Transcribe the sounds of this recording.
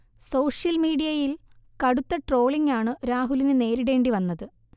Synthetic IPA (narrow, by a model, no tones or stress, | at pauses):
so̞ːʂjɐlmiːɽijɐjil | kɐɽut̪ːɐʈro̞ːɭiŋaːɳɨɾaːɦulinɨne̞ːɾiɽe̞ːɳɖiʋɐnːɐðɨ